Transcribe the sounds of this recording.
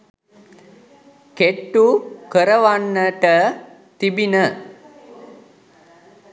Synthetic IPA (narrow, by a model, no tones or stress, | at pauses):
keʈːukəɾəʋanːəʈə | t̪ibinə